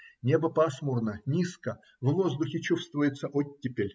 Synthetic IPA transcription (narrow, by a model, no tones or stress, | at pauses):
nʲe̞bəpasmurnənʲiskə | vvo̞zd̪ʊxʲɪt͡ɕufst̪vəjɪt̪sːəʔotʲːɪpʲɪlʲ